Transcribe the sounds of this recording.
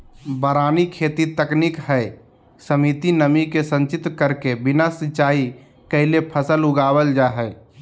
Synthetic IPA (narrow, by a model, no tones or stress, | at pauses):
bəɾaːnikʰeːt̪it̪əknikɦɛɪ | səmit̪inəmikesə̃nt͡ʃɪt̪kəɾkebɪnasɪt͡ʃaːi | kəɪlepʰəsəlʊɡaːwəld͡ʒaɦɛː